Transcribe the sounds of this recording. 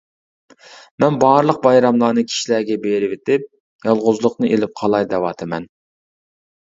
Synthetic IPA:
mɛnbɑːɾlˠəq̚bɑjɾɑmlˠɑːnɨkʲʰi̥ʃilæɾɡʲɛbeɾɪvet̪ɪp̚ | jɑlˠʁʊzlˠʊqnɨʔelɪp̚qʰɑlˠɑjd̪ɛwɑːt̪ʰɨmɛ̰n

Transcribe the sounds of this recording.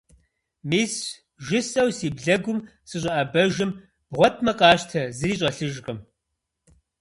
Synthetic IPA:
miːs | ʒɪsʼɐwsiːbɮɐɡʷʊmsɨɕ̬ʼɐʔɐbɐʒɪm | b̥ʁʷɔt̚ʰʼmɐqʼɑːʃtʰɐzɨriːɕʼɐɬɨʒqʼəm

